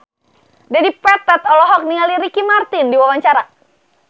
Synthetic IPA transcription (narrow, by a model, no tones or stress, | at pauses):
dadipɛt̪at̪ɔlɔɦɔk̚niŋaliɾikimart̪ɪndiwawaɲt͡ʃaɾa